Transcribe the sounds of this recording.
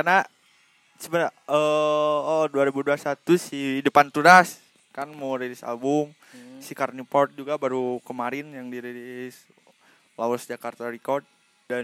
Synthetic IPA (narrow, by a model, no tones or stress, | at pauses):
karna | səbəɾaəɔduaɾebuduasat̪usidəpant̪uɾas | kanmoɾelɪsa̰lbʊm | sikarnipɔrt̪̚d͡ʒuɡabaɾukəmaɾɪnjaŋdiɾelɪs | lawɔsd͡ʒakart̪aɾikɔrd̪̚ | da